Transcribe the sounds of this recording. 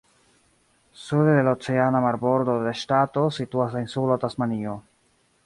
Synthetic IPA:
sud̪ed̪elaot͡seanamaɾboɾd̪odeʃtat̪o̞situasainsulot̪asmanio

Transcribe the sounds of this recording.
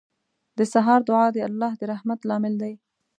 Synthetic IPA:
d̪əsaɦɑɾd̪ʊʕɑd̪əalːɑhd̪əɾahmat̪lɑmɪld̪aj

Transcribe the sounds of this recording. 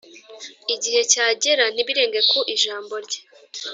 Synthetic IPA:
iɟihe̞caːɟe̞ɾan̥iβiɾe̞ːŋɡekuʔiʒaːmbo̞ɾɟe̥

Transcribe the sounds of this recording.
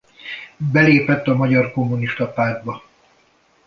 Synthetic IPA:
bɛleːpɛt̪ːɒmɒɟɒrko̞mːuniʃt̪ɒpaːd̪̚bɒ

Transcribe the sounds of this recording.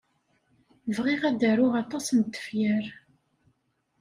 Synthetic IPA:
vʁiʁæd̪æɾʊʁɑt̪ˤɑsənt̪ːə̥fjəɾ

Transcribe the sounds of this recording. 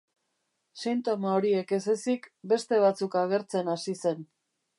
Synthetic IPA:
sint̪o̞maoɾie̞ke̞se̞sikbe̞st̪e̞β̞at͡sukaɣe̞ɾt͡se̞nasise̞n

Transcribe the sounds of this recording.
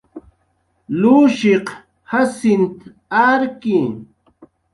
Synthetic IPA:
luːʃeq | hasɪnt̪ | aɾki

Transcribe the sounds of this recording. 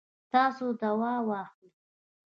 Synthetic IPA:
t̪ɑsod̪awɑwɑxli

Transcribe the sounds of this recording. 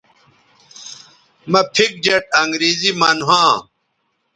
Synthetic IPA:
mɐpʰik̚d͡ʑɐʈɐŋɡɾiːzimɐnɦãː

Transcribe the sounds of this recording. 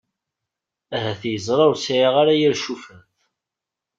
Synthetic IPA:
æɦæθjəzˤɾˤɑɾsʕiʁaɾajiɾʃufənθ

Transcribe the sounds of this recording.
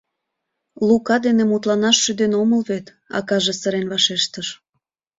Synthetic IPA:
lukɑd̪enemut̪lɑnɑʃːyd̪enoməlβet̪ | ɑ̰kɑʒesəɾenβɑʃeʃt̪əʃ

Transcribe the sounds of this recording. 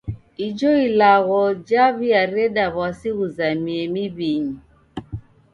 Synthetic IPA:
id͡ʒoilaɣɔd͡ʒaβiaɾedaβasiɣuzamiemibiɲi

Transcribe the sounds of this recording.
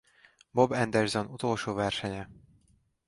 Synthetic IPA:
bobɛnd̪ɛrzonut̪oːlʃoːvɛrʃɛɲɛ

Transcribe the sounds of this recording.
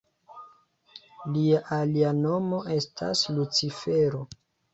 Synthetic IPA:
liaʔaliano̞mo̞ʔe̞stʰa̰slut͡sife̞ɾo̞

